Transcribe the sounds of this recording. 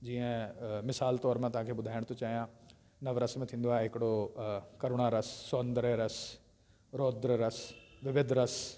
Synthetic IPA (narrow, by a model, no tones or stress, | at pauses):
d͡ʑiːə̃mɪsaːlt̪ɔːɾmãt̪ɐɦãːkʰeːɓʊd̪ʱaːɪɽ̃t̪ot͡ɕaːijã | nɐʋɾɐsmẽt̪ʰĩːn̆d̪oaːɦeɦɪkɪɽokɐɾoɽ̃aɾəsːoːnd̪ɾɛɾɐs | ɾoːd̪ɾəɾəsʋɪʋɪd̪ʱɾɐs